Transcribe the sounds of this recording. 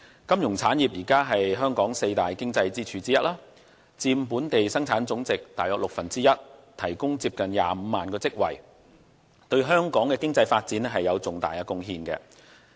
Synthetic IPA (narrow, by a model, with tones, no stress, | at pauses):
kɐ˥mjʊ˨˩ŋt͡sʰaː˨˥njiː˨˩p̚jiː˨˩kaː˥ɦɐ˨jɦœː˥ŋkɔː˨˥ŋse˧jt̪aː˨˩jkɪ˥ŋt͡sɐ˧jt͡siː˥t͡ʃʰyː˧t͡siː˥jɐ˥t̚laː˥ | t͡siː˧mpuː˨˥nt̪e˨jsɐ˥ŋt͡sʰaː˨˥nt͡sʊ˨˥ŋt͡sɪ˨k̚t̪aː˨jɔː˧k̚lʊ˨k̚fɐ˨˩nt͡siː˥jɐ˥t̚t̪ʰɐ˨˩jkʊ˥ŋt͡siː˧p̚kɐ˨nja̰ː˨m̩˨˧maː˨nkɔː˧t͡sɪ˥k̚wɐ̰˨˩j | t̪ɵ˧ɥɦœː˥ŋkɔː˨˥ŋkɛː˧kɪ˥ŋt͡sɐ˧jfaː˧t̚t͡siː˨˥nɛ˥ɦɐ˨jːɐ˨˧wt͡sʊ˨˩ŋt̪a̰ː˨˩jaː˧kʊ˧ŋɦiː˧nkɛ̰ː˧